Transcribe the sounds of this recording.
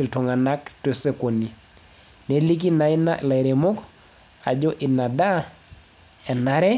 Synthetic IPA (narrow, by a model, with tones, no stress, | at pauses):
i˨lto˨ŋa˨na˦kte˨se˦ko˨ni˨ | ne˨li˦k̬i˦na˨ɪ˦na˦la˨ɾe˨mo˦k | a˨d͡ʒɔ˦ʔɪ˨na˨da˦ | ɛ˨na˦ɾɛ˦